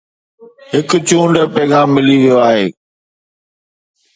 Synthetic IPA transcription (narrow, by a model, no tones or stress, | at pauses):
ɦɪkt͡ɕũːɳɖəpɛːɣaːmːɪliʋijoaːɦeː